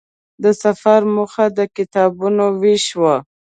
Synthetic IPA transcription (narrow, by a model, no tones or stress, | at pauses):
d̪əsafaɾmuxad̪əkɪt̪ɑbunoweʃwa